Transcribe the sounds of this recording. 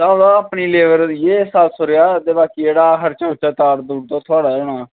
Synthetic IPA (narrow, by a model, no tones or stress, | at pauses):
t̪ãːdãəːpniːleːʋəɾjeːsaːsoɾeaːd̪eːbaːkiːeːɽaːkəɾt͡ʃaːʊt͡ʃaːt̪aːɾd̪uːɽt̪ãːt̪ʰʊaːɽaːoːɳaː